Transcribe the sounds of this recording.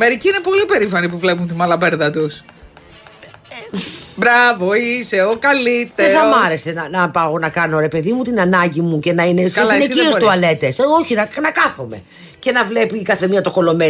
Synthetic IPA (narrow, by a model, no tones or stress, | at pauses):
meɾiciinepo̞lipe̞ɾifɐnipuvle̞punt̪imɐlɐpeɾðɐt̪us | bɾɐvoiseokɐlit̪eeɾɐmɐɾe̞se̞nɐnɐpɐonɐkɐno̞ɾe̞pe̞ðimut̪inɐnɐɟimuce̞nɐineslɐneiost̪uɐle̞t̪esoçinɐnɐkɐθome̞̰ | ce̞nɐvle̞pikɐθemiɐt̪oko̞lome